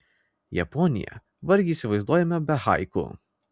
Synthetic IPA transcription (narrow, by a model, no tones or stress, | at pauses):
jɛ̰pɔnʲɪ̰jɛ̰ | ʋɐɾʲɡʲiːsʲɪʋɐɪzd̪uɔjɛmʲɛbʲɛhɑ̰ɪkʊ̰